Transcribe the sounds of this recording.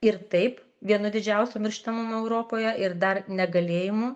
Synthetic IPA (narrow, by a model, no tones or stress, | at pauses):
ɪɾt̪ɐɪp | ʋʲiɛnʊd̪ʲɪd͡ʒʲɛʊsʲoːmʲɪɾʲʃt̪ɐmʊmoɛʊɾoːpoːjɛʔɪɾd̪ɐrnʲɛɡɐlʲeːjɪmuː